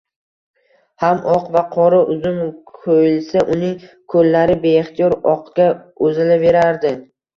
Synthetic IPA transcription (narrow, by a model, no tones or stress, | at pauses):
hamɒqvaqʰɒɾaʔʊzʊmkʰojɪlsaʔʊnɪŋ | kʰɵlːaɾɪbe̞ːχt̪ʰijɒɾɒqɡʲa | ɵzɪlabe̞ɾaɾd̪ɪ